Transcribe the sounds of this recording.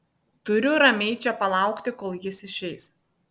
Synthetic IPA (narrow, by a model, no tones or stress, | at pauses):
t̪ʊɾʲʊɾɐmʲɛɪt͡ʃʲɛpɐlˠɑˑʊkt̪ʲɪkoːlˠjɪsɪʃʲɛɪs